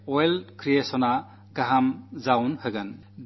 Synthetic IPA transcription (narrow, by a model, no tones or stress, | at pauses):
ɔjlkɾijesɔna | ɡaɦamzawnhɯɡan | d